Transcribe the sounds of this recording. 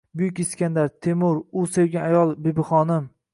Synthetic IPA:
bʊjʊkʲɪskʲand̪aɾt̪ʰemʊɾʊsewɡʲaajɒlˠbebɪχɒnɪm

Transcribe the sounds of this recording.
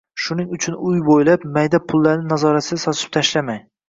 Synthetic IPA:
ʃʊnɪŋʊt͡ʃʰʊnʊjbojlapmajd̪apʰʊlˠːaɾnɪnazɒɾat̪ɪd̪asɒt̪ʰɪp̚t̪ʰaʃlamaj

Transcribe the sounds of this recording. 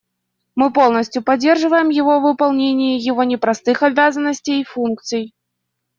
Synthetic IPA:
mɨpolˠnəsʲtʲjʊpɐdʲːe̞rʐɨvəjɪmjɪvovɨpɐlˠnʲenʲɪjəjɪvonʲɪpɾɐst̪ɨxɐbʲazənːəsʲtʲejfunk̚t̪sɨj

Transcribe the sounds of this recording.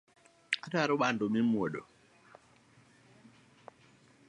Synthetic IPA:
ataɾɔɓandomimuɔɗɔ

